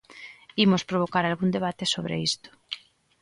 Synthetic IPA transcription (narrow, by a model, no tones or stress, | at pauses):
imospɾoβokaɾalɣund̪eβ̞at̪esoβɾḛist̪o̥